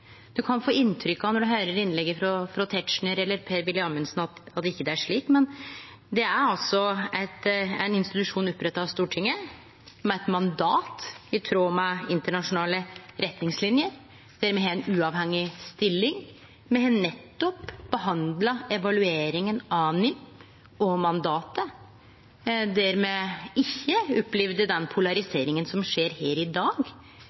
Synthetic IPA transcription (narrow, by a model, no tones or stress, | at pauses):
d̪̥ʉkʰɑnfoːɪnːt̪ʰɾʏkːɑʋnɔɖʉɦœʏɾəɾɪnːlɛɡːəfɾɔfɾɔt̪ʰɛt̪ʂɳəɾɛlːəɾpʰeːɾʋɪlːɪɑnmɛnəsnɑt̪ɑt̪ːɪkːəd̪ɛæʂɭiːkmɛn | d̪ɛæɾɑlsɔæɪt̪ænɪnst̪ɪt̪ʉʂuːnɔpːɾɛt̪ːɑɑst̪uːʈʰɪŋːə | mɛɛt̪mɑnd̪ɑːt̪ɪt̪ʰɾoːmɑɪnt̪əɳɑʂʊnɑːləɾʔɛt̪nɪŋslɪnjəɾ | d̪̥æɾmɛːɦɛɛnʉːɑʋhɛŋːɪst̪ɪlːɪŋ | mɛɛnːɛt̪ːɔpbəɦɑnd̪lɑɛʋɑlʉeːɾɪŋənɑnɪm | ɔmɑnd̪ɑːt̪ə | d̪æɾmeːɪçːəʊpːliʋd̪əd̪ɛnpʰʊlɑɾɪseːɾɪŋənsɔmʂeːɾheːɾɪd̪ɑːɡ